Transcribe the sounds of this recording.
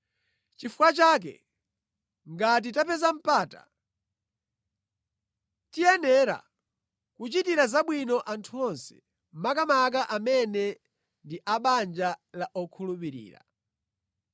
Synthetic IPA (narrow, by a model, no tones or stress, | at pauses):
t͡ʃifukwat͡ʃaːk̬ɛ̰ | ŋɡat̬itapɛzam̩paːta̰ | tijɛnɛɾa̰ | kut͡ʃitiɾazaɓwinɔʔantʰuɔnsɛ̥ | makamak̬aʔamɛnɛ | ndiʔaɓand͡ʒalaʔɔkʰulupiɾḭːɾa̰